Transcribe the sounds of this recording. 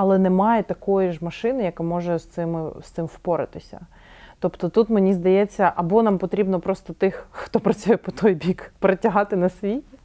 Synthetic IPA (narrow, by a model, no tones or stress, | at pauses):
ɐlˠɛnɛmɑjɛt̪ɐkɔjiʒmɐʃɪnɪjɐkamɔʒɛst̪sɪmɪst̪sɪmwpɔɾɪ̰t̪ɪsʲɐ̰ | t̪ɔpt̪ɔt̪ut̪mɪnʲizd̪ɐjɛt͡sʲːɐʔɐbɔnampɔt̪ɾʲibnɔpɾɔst̪ɔt̪ɪxxt̪ɔpɾɐt͡sʲujɛpɔt̪ɔjbʲikpɾɐtʲɐɦɑt̪ɪnɐsʋʲijʲ